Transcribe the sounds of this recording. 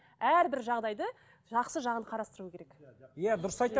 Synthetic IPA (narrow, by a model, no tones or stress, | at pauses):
æɾbɪɾʒɑʁd̪ɑjd̪ə | ʒɑqsəʒɑʁənqʰɑɾɑst̪əɾuəkʲeɾekjæd̪ʊɾəsɑjt̪ɑ